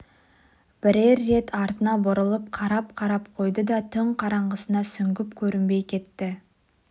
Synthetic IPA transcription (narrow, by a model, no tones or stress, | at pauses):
b̥ɪɾe̞ɾːe̞t̪ʰɑɾt̪ənɑbʊɾəlˠəp̚qʰɑɾɑp̚qʰɑɾɑpqʰo̞jd̪əd̪ɑt̪ʰʏɴqʰɑɾɑɴʁəsənɑsʏŋɡʲɪpkʲʰɵɾɪmbe̞jkʲʰe̞t̪ːɪ